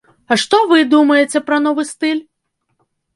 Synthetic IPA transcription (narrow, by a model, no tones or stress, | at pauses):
ɐʂt̪ɔʋɨd̪umɐjet͡sʲɛpɾɐn̪ɔʋɨst̪ɪlʲ